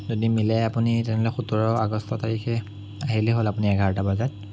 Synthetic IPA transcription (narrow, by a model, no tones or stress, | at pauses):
zodimilɛjapunitɛnɛlɔɛxutuɹɔaɡɔstɔtaɹikʰɛ | aɦilɛɦolapuniɛɡaɹɔtabazat̚